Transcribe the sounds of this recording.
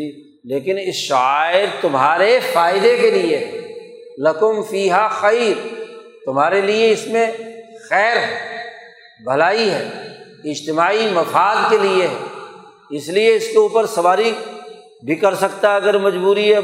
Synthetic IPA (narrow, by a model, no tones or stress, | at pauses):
i | leːkɪnɪsʃaaːɪɾt̪ʊmɦaːɾefaːɪd̪ekelie | lɐkʊmfiːɦaxɐːɾ | t̪ʊmɦaːɾelieɪsmẽxɛːɾ | bʱɐlaːiɦɛ̰ː | ɪd͡ʒt̪ɪmaːimɐfaːd̪kelieɦɛː | ɪslieɪskeuːpəɾsɐʋaːɾi | bʱikɐɾsɐkt̪aɐɡəɾmɐd͡ʒbuːɾiɦɛ